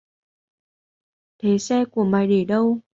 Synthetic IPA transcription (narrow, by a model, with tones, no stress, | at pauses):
t̪ʰe˨˦sɛ˧ku˧˩əmaː˨˩jɗe˧˩ɗə˧w